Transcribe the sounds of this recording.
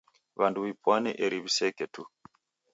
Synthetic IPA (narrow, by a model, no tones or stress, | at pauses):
βanduβipwanɛʔɛɾiβisɛkɛtu